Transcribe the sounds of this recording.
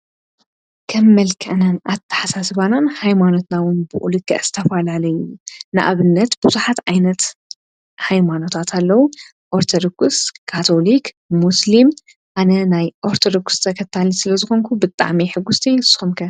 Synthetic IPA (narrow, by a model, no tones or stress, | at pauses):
kʰɐmːɐlkʰɐʔnanʔat̪ʰːɐ̥ħasasɨβananhajmano̞t̪nawʊnbɨʔulɨkʰʼːɐ̰ʔz̥ɨt̪ʰɐfalalɐjunɨʔa̰βɨnːɐt̪b̥uzuħat̪ʕajnɐt̪ | hajmano̞t̪ʰat̪ʰalːɐwu | ʔoɾt̪ʰod̪okʰʼuskʰat̪ʰolik | muslim | ʔanɐnajʔoɾt̪ʰod̪okst̪ʰɐkʰɐt̪ʰalisɨlɐzɨxo̞ŋkʰubɨt̪ʼːa̰ʕmiħɨɡːust̪ʰesɨ̥xumkʰɐ